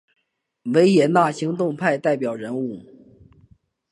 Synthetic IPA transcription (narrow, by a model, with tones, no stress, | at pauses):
we˧˥ɪjɛ˨˩na˥˩ɕi˧˥ŋt̪ʊ˥˧ŋpʰa˥˧ɪt̪a˥˩ɪpjɑ˨˩ʊɻə˧˥nu˥˩